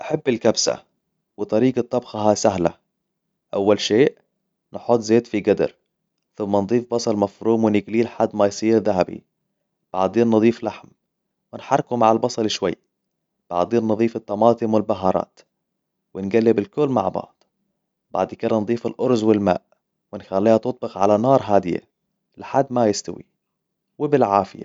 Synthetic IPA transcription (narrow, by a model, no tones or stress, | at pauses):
ʔaħabːɪlkabsa̰ | wɪt̪ˤɑɾiːɡɑt̪ˤːɑbxɑɦasaɦla̰ | ʔawːalʃeːʔ | nħot̪ˤːzeːt̪fiɡad̪ɑ̰ɾ | θʊmːand̪ˤiːfbɑsˤɑlmafɾuːmwɪnɪɡliːlħad̪ːmajsˤiːɾðaɦabḭ | b̥a̰ʕd̪eːnːɨd̪ˤiːflaħm | wɪnħɑɾˤːkumaʕalbɑsˤɑlɪʃwajː | b̥a̰ʕd̪iːnnɨðˤiːfɪt̪ːɑmɑːt̪ˤɪmwɪlbaɦɑːɾˤɑ̰ːt̪ | wɪnɡalːɪbɪlkʊlːma̰ʕbɑ̰ʕd̪̥ˤ | b̥a̰ʕd̪kɪd̪ɑnd̪ˤiːfalʔʊɾzwɪlma̰ːʔ | wɪnxalːiːhat̪ʊt̪̚ˤbɪxʕalanɑːɾˤɦaːd̪ɪja̰ | lɪħad̪ːmajɪst̪awḭ | wɪbɪlʕaːfɪja̰